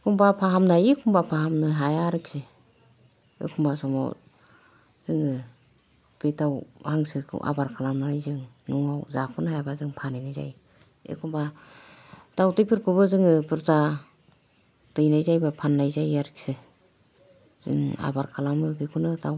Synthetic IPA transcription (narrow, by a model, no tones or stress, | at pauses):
kʰumbapʰaɦamnajekʰumbapʰaɦamnɯɦajaɾɯk̚sɯ | ḛkʰumbasɔma̰w | z̥ɯŋɯ | b̥etawhaŋsɯkʰɯ̰ʔa̰baɾkʰalamnaajzɯŋnuŋawzapʰɯnhajabazɯŋpʰanajnajza̰j | ḛkʰumba | d̥awtɯjpʰɯɾkʰubɯzɯŋɯbɯɾza | d̥ɯjnajzajbapʰanːajzajaɾɯk̚sɯ | z̥ɯ̰ŋa̰baɾkʰalamɯbikʰunɯtaw